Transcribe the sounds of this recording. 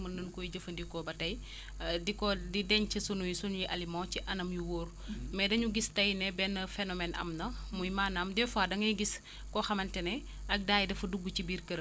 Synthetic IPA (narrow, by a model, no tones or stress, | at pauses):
mɐnənkɔjiɟəfɐndikɔbɐtɐj | dikɔdidɛɲt͡ʃɐsunujisunjiʔɐlimɔ̃ːciʔɐnɐmjuwoːɾ | mɛdɐɲuɡistɐjnɛbɛnːɐfɛnɔmɛnʔɐ̰mnɐmujmaːnamdɛfaːdɐŋɐjɡis | kɔxɐmɐntɛnɛ | ɐk̚daːjidɐfɐduɡːut͡ʃibiːɾkəɾ